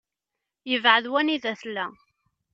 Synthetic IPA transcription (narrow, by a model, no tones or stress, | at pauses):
jəvʕəðwæniðæθlːæ